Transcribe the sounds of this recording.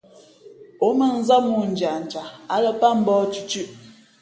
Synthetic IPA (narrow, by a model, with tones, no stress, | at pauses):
o˨˦mə˨n̩˦za˦mu˦˨n̩˨d͡ʒa˨n̩˨t͡ʃa˨a˨˦lə˦pa˦m̩˦bɔ˦t͡ʃʉ˨t͡ʃʉ˦ʔ